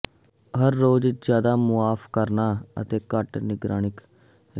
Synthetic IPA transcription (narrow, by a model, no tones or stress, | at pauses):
ɦəɾːoːd͡ʒd͡ʒjaːd̪aːmʊaːfʰkəɾnaːə̰t̪eːkəʈnɪɡɾaːñɪk